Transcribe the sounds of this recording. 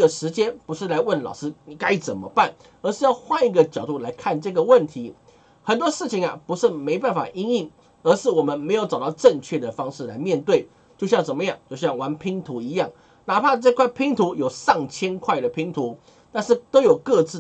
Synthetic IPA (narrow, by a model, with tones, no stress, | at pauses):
ɡə˩ʂɻ̩˧˥t͡ɕjɛ˥npu˧˥ʂɻ̩˥˩la˧˥ɪwə˥˩nlɑ˨˩ʊʂɻ̩˥ni˨ka˦˥ɪt͡sə˨˩mə̰˦pa˥˩n | ə˧˥ʂɻ̩˥˧jɑ˥˧ʊxwa˥˧i˥˩ɡə˨t͡ɕjɑ˨˩ʊt̪u˥˩la˧˥ɪkʰa˥˧nʈ͡ʂɤ˥˧˩ɡə˩wə˥˨nt̪ʰi˧˥ | xə˨˩nt̪wɔ˥ʂɻ̩˥˩t͡ɕʰi˨˦ŋɐ˨pu˧˥ʂɻ̩˥˩me˧˥ɪpa˥˩nfa̰˨˩ʔi˥ŋi˥˩ŋ | ə˧˥ʂɻ̩˥˩wɔ˨˩mə˦nme˧˥ɪjo˧˥ʊt͡sɑ˨˩ʊt̪ɑ˥˧ʊʈ͡ʂə˥˧ŋt͡ɕʰɥɛ˥˩d̪ə˩fɑ˥ŋʂɻ̩˥˩˨la̰˧˥ɪmjɛ˥˧nt̪we˥˩ɪ | t͡ɕjo˥˧ʊɕjɑ˥˩ŋʂə˨˩nmə˦jɑ˥˩ŋt͡ɕjo˥˧ʊɕjɑ˥˩ŋwa˧˥npʰi˧˥ŋt̪ʰu˧˥i˧˥jɑ˥˩ŋ | na˨˥pʰa˥˧ʈ͡ʂɤ˥˧kʰwa˥˩ɪpʰi˧˥ŋt̪ʰu˧˥jo˨˩ʊʂɑ˥˩ŋt͡ɕʰjɛ˥nkʰwa˥˩ɪd̪ə˩pʰi˧˥ŋt̪ʰu˧˥ | t̪a˥˧nʂɻ̩˥˩t̪o˥ʊjo˨˩ʊkɤ˥˧t͡sɹ̩˥˩